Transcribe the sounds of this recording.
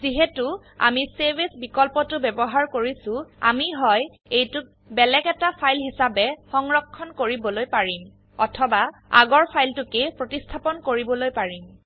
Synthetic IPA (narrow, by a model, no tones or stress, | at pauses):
ziɦɛtʊ | a̰misebesbikɔlpɔtʊbɛbɔɦaɹkoɹisʊ̃a̰miɦɔj | ejtʊk̚ | bɛlɛkɛtapʰajlɦisabɛxɔŋɹɔkʰːɔnkoɹibɔlojpaɹim | ɔtʰɔbaa̰ɡɔɹpʰajltʊkepɹotistʰapɔnkoɹibɔlojpaɹim